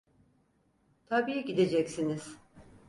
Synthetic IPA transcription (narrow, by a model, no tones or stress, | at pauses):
t̪ʰabiːjiɟid̪e̞d͡ʒɛcsiniz̥